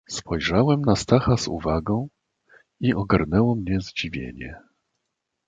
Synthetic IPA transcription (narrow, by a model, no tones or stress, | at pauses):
spʰɔjʐawɛmnast̪axazṵvaɡɔ̃w̃ | iʔɔɡaɾnɛwɔmɲɛzd͡ʑivʲjḛɲɛ̰